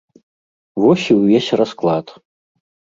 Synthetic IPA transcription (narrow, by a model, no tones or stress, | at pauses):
vɔsʲiwvʲesʲrasklˠat̪